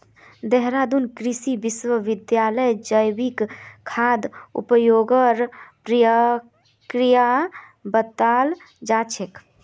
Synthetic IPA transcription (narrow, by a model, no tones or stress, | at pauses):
d̪ɛɦɾaːd̪unkɾɪsibɪswəʋɪd̪jaːləjd͡ʒəjwikkʰːaːd̪ʊ̰pəjoːɡəɾpɾijə | kɾija | bət̪ːaːl | d͡ʒaːt͡ʃʰek